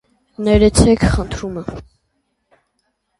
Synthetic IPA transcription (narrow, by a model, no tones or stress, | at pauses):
nɛɾɛt͡sʰɛkʰχənt̪ʰɾumə